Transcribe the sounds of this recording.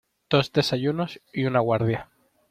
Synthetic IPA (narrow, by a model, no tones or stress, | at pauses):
d̪̥o̞zd̪e̞sajunosiunaɣwaɾð̞ja